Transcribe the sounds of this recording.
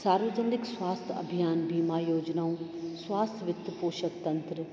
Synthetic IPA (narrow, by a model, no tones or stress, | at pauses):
saːɾʋəd͡ʒəndɪkswaːst̪ʰɐ̰bʱijaːnbʱiːmaːjoːd͡ʒnaːũswaːst̪ʰʋɪt̪ːpoːʃəkt̪ɐ̃nt̪ɾə